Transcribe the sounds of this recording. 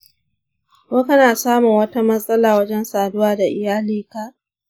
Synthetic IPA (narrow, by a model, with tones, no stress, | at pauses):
koː˦kɐ˦naː˨saː˦mʊ˨ŋwɐ˦ta˦mɐ˦sʼɐ˦laː˨wɐ˦d͡ʒɛ˦nsaː˨dʊ˦waː˦da˨ʔɪ˨jaː˦liː˦ka˨ʔ